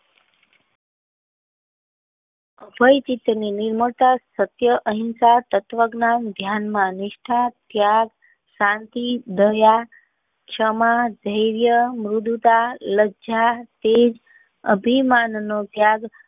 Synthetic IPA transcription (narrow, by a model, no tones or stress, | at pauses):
əbʱəjt͡ʃit̪ɾəninɪɾməɭt̪asət̪jəʔəɦinsat̪ət̪ʋəɡnamd̪ʱjanmãnɪʃʈʰat̪jaɡ | ʃãnt̪id̪əja | t͡ʃʰəmad͡ʒ̪ʱəjɾjəmɾud̪ut̪aləd͡ʒat̪ed͡ʒ | ə̰bʱimannot̪jaɡ